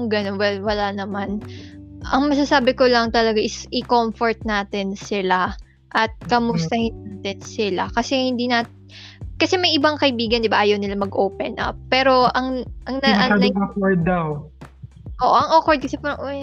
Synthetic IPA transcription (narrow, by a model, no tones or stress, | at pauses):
ŋɡɐnonwɛlwɐlanɐmanʔɐŋmɐs̬asaːbɪkolɐŋt̪ɐlɐɡaʔɪsɪkomfoɹt̪̚naːt̪ɪnsɪla | ʔɐt̪̚kɐmʊst̪ɐhɪnːaːt̪ɪnsɪlakɐsɛhɪnd̪inaːt̪ | kɐsɛmɐjʔɪbaŋkɐʔɪbiːɡɐnd̪ɪbaʔaːjɐwnɪlamɐɡʔoːpɛnʔɐ̰pːɛːɾo̞ʔɐŋʔɐŋnɐʔɐŋlakoɹd̪̚ːɐw | ʔoːʔʔɐŋʔokoɹd̪̚kɐsɛpaɾʔoj